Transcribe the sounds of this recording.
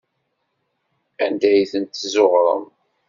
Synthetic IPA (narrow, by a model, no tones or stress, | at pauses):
ænd̪æjθənt̪ːzoʁɾˤə̰m